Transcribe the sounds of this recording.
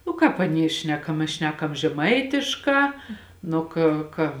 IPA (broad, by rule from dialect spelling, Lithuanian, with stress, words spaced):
nʊ ˈkɑːp ɐˈnʲiɛ ˈʃʲnʲæːkɐm mʲɛs ˈʃʲnʲæːkɐm ʒʲɛˈmɐɪtʲɪʃˌkɑː ˈnʊ kʲeː ˈkɐ